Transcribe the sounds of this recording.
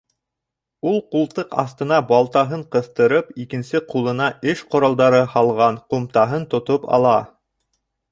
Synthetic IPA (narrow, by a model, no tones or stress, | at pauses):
ulˠqulˠt̪ɤqɑ̰θt̪ɤ̆nɑbɑlˠt̪ɑɦɤɴqɤ̆θt̪ɤ̆ɾɤpikɘ̆nsɘqulˠɤ̆nɑɘʃqŏɾɑlˠd̪ɑɾɤhɑlˠʁɑnqumt̪ɑɦɤnt̪ŏt̪opɑ̰lˠɑ